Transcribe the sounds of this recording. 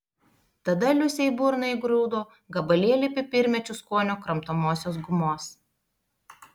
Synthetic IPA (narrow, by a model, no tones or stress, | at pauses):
t̪ɐd̪ɐlʲʊsʲɛɪbʊɾnɐɪɡɾuːd̪oː | ɡɐbɐlʲiɛlʲɪpʲɪpʲɪɾʲmʲɛt͡ʃʲʊskuɔnʲoːkɾɐmt̪oːmoːsʲoːs̬ɡʊmoːs